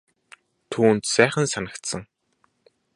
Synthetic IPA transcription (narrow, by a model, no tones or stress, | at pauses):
t̪ʰuːnt̪sæːχə̆nsanə̆kt̪sə̆ŋ